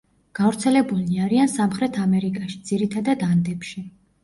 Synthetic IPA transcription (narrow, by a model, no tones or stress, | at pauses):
ɡ̥avɾt̪sʰɛlɛbuliaɾiansamχɾɛt̪ʰamɛɾikʼaʃi̥d̪z̥iɾit̪ʰad̪ad̪and̪ɛpʃi